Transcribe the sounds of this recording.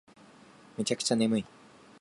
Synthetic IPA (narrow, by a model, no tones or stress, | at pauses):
mɯt͡ɕakɯ̥t͡ɕanemɯi